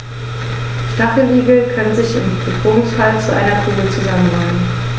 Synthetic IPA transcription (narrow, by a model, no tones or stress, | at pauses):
ʃtaχl̩ʔiːɡl̩kʰanzɪçɪ̰mb̥ətʁ̥oːŋsfalt͡suʔa̰ɪnɐkʁ̥uːɡət͡suzamənːamən